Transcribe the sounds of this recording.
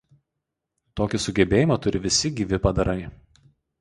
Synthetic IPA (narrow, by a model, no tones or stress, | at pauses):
t̪oːkʲɪsʊɡʲɛbʲeːjɪmɐt̪ʊɾʲɪʋʲɪsʲɪɡʲiːʋʲɪpɐd̪ɐɾɐɪ